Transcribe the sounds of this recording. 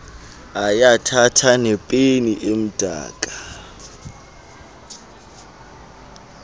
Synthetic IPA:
ajatʰatʰanɛpʼeniʔem̩d̥ʱa̰ːkʼa

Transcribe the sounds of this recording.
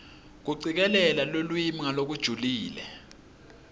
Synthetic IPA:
k̬uǀik̬ɛlɛlalolwimiŋalok̬ud̥ʒ̥ʱuliːlɛ

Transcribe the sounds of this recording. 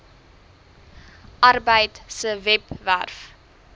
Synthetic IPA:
ʔɐrbəjtsəvɛpværf

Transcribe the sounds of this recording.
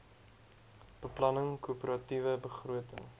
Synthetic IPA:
b̥əplɐnəŋkupəɾɐtivəbəχruətə̰ŋ

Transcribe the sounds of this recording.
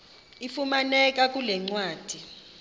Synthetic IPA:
ifumanɛk̬ʼak̬ʼulɛŋ͡ǀwaːd̥ʱi

